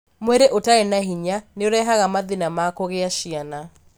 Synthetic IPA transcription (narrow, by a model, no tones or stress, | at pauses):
mweɾeʔotaɛnaɦiɲaneoɾɛɦaɣamaðinamakoɣeaʃiana